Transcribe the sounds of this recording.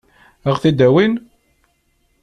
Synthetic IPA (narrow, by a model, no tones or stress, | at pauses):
əʁθid̪æwin